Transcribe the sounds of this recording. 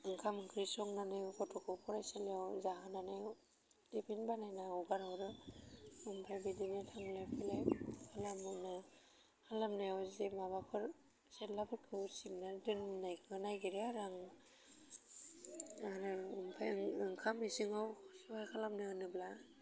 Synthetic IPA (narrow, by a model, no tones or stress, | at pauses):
ɯŋkʰamɯŋkʰɾisɔŋnanɯjkʰɔtʰɔkʰɯpʰɔɾajsaliawzaɦananaj | dipʰinbanajnaɔɡaɾawɾɯ | ɯmpʰajbidinetʰaŋlapʰilajkʰalamɯna | halamnajɔzemabapʰɯɾ | selabɯkʰɯwsinadɯnnajkʰɯnajɡiɾeaɾaŋ | aɾɯumpʰaɯŋkʰamisɯŋawsɯbajkʰalamnɯɯnɯbla